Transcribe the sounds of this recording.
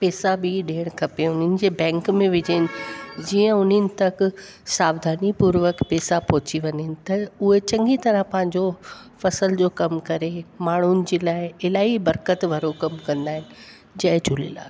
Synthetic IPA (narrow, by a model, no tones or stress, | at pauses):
peːsabɪɗeːɽ̃kʰɐpeʊn̤ənɪ̆d͡ʑeːbɛ̃ːŋkmẽʋɪd͡ʑəɦɪnɪ̆d͡ʑijə̃ʊn̤ənɪ̆t̪ɐk | saːbd̪ʱaːnipuːɾʋəkpeːsapɔːt͡ɕiʋɐɲɦɪnɪ̆t̪ɐʊɦet͡ɕɐ̃ŋɡit̪ɐɾə̃ɦpɐ̃ɦɪ̃ɲ̆d͡ʑo | fɐsəld͡ʑoːkɐmkɐɾemaːɳ̤ʊnɪ̆d͡ʑeːlaːɪɪlaːibɐɾkət̪ʋɐɾokɐmkɐ̃nd̪aːɦɪnɪ̆ | d͡ʑɐɦɪ̃t͡ɕʊlḭla̰ː